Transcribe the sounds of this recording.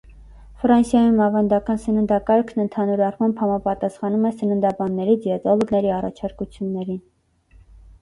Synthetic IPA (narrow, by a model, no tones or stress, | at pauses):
fɾɑnsjɑjumɑvɑnd̪ɑkɑnsənənd̪ɑkɑɾkʰnənt̪ʰɑnuɾɑrmɑmbhɑmɑpɑt̪ɑsχɑnumɛsənənd̪ɑbɑnːɛɾid͡zjɛt̪ɔlɔɡnɛɾiɑrɑ̰t͡ʃʰɑɾkut͡sʰjunːɛɾin